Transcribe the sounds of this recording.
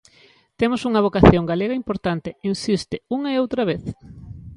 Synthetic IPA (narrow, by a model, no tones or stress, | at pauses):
t̪emosuŋɐβokaθjoŋɡaleɣɐimpoɾt̪ant̪einsist̪ɪuŋɐeowt̪ɾɐβeθ